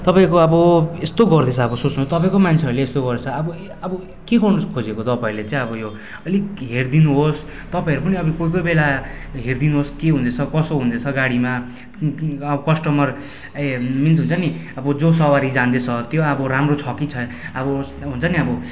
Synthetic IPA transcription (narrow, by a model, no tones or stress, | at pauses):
t̪ʌpaĩkoʌbʌest̪oɡʌrd̪et͡sʰʌʌbʌsot͡snut̪ʌpaĩkomant͡sʰeʌrleːst̪oɡʌd̪et͡sʰʌːbʌ | ʌbʌ | keɡʌrnʌkʰod͡zekot̪ʌpaĩlet͡sãĩʌbʌjo | ʌliɦerd̪inuɦos | t̪ʌpaĩʌɾupʌniʌbikojk̬ʌjbela | ɦerd̪inuɦoskeɦũnd̪et͡sʰʌkʌsoɦũnd̪et͡sʰʌɡaɽima | ʌbʌkʌsʈʌmʌr | emint̪ɦunt͡sʰʌniʌbʌd͡zosʌwaɾid͡zand̪et͡sʰʌt̪joabʌɾamrot͡sʰʌkit͡sʰʌ | ʌbʌ | ɦunt͡sʰʌniʌbʌ